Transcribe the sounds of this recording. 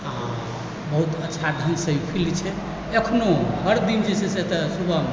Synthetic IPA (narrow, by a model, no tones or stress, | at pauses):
ã | bəɦut̪ətːʃʰad̪ʱənsəɦipʰilit͡ʃʰɛ | ekʰnoɦəɾd̪ind͡ʒeseset̪əsubə